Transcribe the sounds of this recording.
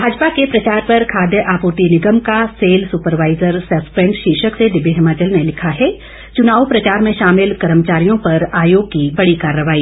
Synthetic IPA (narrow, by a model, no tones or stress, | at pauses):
bʱaːd͡ʒpakepɾɐt͡ʃaːɾpɐɾkʰaːd̪jəʔaːpuːɾt̪inɪɡəmkaseːlsupəɾʋaːɪzəɾsɐspɛ̃ɳʈʃiːʃəksed̪ɪbʱːiɦɪmaːt͡ʃəlnelɪkʰaɦɛ | t͡ʃʊnaːʋpɾɐt͡ʃaːɾmẽʃaːmɪlkɐɾəmət͡ʃaːɾijõpɐɾaːjoːɡ̚kibɐɽikaːɾjəʋaːiː